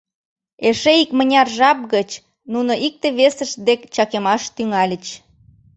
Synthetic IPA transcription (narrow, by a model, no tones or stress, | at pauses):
eʃeikmənʲɑrʒɑp̚ɣət͡ɕ | nunoʔik̚t̪eβesəʃd̪ekt͡ɕɑkemɑʃt̪yŋɑlʲət͡ɕ